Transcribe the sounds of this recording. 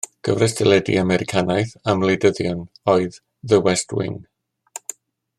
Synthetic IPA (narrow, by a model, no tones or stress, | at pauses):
ɡ̥əvrɛstʰɛlˠɛdḭamɛɾɪkʰanajθamlˠedəðjɔnɔɨðː | əwɛstwɪ̰n